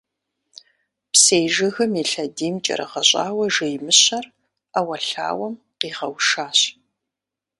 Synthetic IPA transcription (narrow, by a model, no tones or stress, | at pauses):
pseːjʒɨɣɐmiɬɐdiːmt͡ʃʼɐ̰ɾɐ̰ʁɐɕʼaːwɐʒɨjmɨɕɐr | awɐɬa̰ːwɐm | qiːʁɐwʂaːɕ